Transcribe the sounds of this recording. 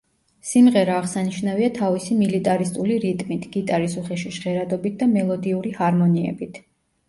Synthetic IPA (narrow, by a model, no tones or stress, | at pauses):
simʁɛɾaːʁsaniʃnaviat̪ʰavisimilit̪ʼaɾist̪ʼuliɾit̪ʼmit̪ʰɡ̥it̪ʼaɾisuχɛʃiʃʁɛɾad̪ɔbit̪̚ʰd̪amɛlˠɔd̪iuɾihaɾmɔniɛ̰bit̪ʰ